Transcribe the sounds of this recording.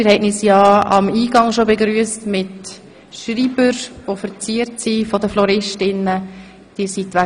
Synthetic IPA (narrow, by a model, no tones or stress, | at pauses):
mɪɾhɛnisjɑːɑ̰miːɡɑŋʃobeɡɾyːəstmɪt | ʃɾiːbəɾʋofəɾt͡siːəɾtsifɔdəflɔɾɪʃtɪnːə | d̥iːsitʋæ